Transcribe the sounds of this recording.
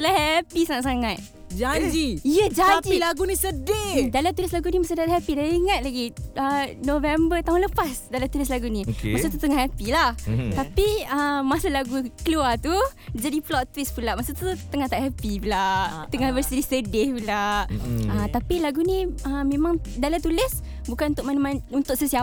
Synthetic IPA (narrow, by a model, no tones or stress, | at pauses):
t̪əlahɛpisaŋaʔ̪saŋat̪̚ | d͡ʒad͡ʒiijad͡ʒaiilaɡunisədɪdalamt̪uɾɪslaɡunimasad̪at̪aʔhɛpidaliŋat̪̚laɡiənovɛmbərt̪aʊnləpasdalamt̪ulɪs̬laɡunimasat̪ut̪əŋahɛpilaht̪apiəmasalaɡukəluat̪udid͡ʒadiplɔt̪t̪ːwispulaʔmasat̪ut̪əŋaht̪aʔhɛpibulaʔt̪əŋahvəsidisədɪhbulaʔət̪apilaɡuniəmẽmãŋ | dalamt̪ulɪs | bukanunt̪ʊkʔ̚manəmanunt̪ʊʔsəsia